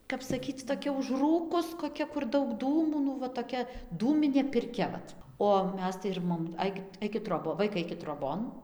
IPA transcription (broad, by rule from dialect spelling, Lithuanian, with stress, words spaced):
kɐp sɐˈkʲiːt͡s toːˈkʲɛ ʊʒˈruːkʊs koːˈkʲɛ kʊr ˈdɐʊk ˈduːmuː nʊ ʋɐ toːˈkʲɛ ˈduːmʲɪnʲeː pʲɪrʲˈkʲɛ ˈʋɐt oː ˈmʲɛs tɐɪ ɪr ˈmoːm ˈɐɪkʲɪt ˈɐɪkʲɪt ˈtroːboː ˈʋɐɪkɐɪ ˈɐɪkʲɪt troːˈboːn